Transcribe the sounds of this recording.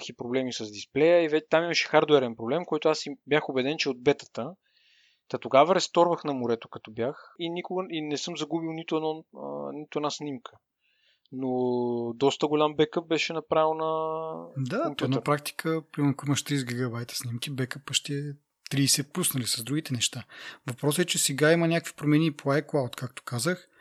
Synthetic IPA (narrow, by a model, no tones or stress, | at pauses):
xipɾoblɛmisɐzd̪isplɛjəivɛt̪amimɐʃɛ̥xaɾd̪wɛɾɛnpɾoblɛmkɔjt̪ʊasibjaxobɛd̪ɛnt͡ʃɛod̪̚bɛt̪ə̥t̪ə | t̪ɐt̪oɡavəɾɛst̪ɔɾvəxnɐmoɾɛt̪o̥kɐt̪ɔbjaxinikʊɡəinɛsɤmzɐɡubilˠnit̪ʊɛnɔənit̪oɛd̪asnimkʰə̥ | nod̪ɔst̪əɡolʲambɛkəp̚bɛʃɛnɐpɾavɛlˠnɐ | d̪amp̪ɔnɐpɾak̚t̪i̥kʰəpɾimɛɾnkoimɐʃt̪ɾizɡiɡɐbajt̪ə̥snimk̟ibɛkəpəʃt̪ɛɛ | t̪ɾiːsɛpusnɐlisɐzd̪ɾuɡʲit̪ɛnɛʃt̪avɐpɾɔsɛt͡ʃɛsɛɡaimənʲakvi̥pɾomɛnʲiːpˠajklˠawt̪kak̚t̪o̥kazəx